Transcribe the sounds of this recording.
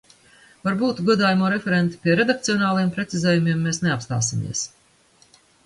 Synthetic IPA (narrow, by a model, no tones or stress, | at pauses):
vaɾbuːt̪ɡuɔd̪aːjmoːɾɛfʲeɾent̪i̥pʲiɛɾed̪ak̚t̪siɔnaːlˠajɛmpɾet̪sizɛːjumiɛmːesneapst̪a̰ːsimḭɛs